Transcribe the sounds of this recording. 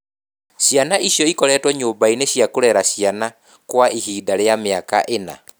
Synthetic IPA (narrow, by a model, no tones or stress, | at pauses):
ɕjanaʔiɕjɔikɔɾɛːtwɔɲoːbaineɕjakoɾɛɾaɕjana | kwaʔihiːdaɾejameaka̰ʔena̰